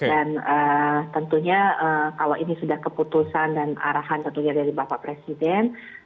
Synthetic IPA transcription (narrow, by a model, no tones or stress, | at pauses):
danət̪ənt̪uɲaʔəkalowʔinisudahkəput̪usandana̰ɾaɦant̪ənt̪uɲadaɾibapaʔpɾesidɛn